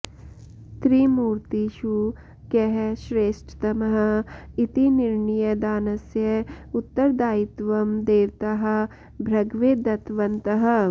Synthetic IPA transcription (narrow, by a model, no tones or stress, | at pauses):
t̪ɾimuːɾt̪iʃu | kɐɦʃɾeːʃʈʰt̪ɐmɐɦɐ̆it̪inɪɾɳijɐd̪aːnɐsjɐʊt̪ːɐɾd̪aːit̪ʋɐmd̪eːʋt̪ɐɦɐ̆ | bʱɾɐɡʋeːd̪ɐt̪ʋɐnt̪ɐɦɐ̆